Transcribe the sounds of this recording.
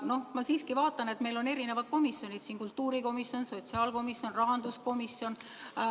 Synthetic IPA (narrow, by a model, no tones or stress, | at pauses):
no̞hmɑsiːskivɑːt̪ːˑɑne̞t̪me̞jlo̞ne̞ɾine̞vɑd̪̥̚ko̞misjo̞nʲid̪̥siːnkult̪ːuːɾiko̞misjo̞nso̞tʲsiɑːlko̞misjo̞nrɑɦɑnd̪̥usko̞misjo̞n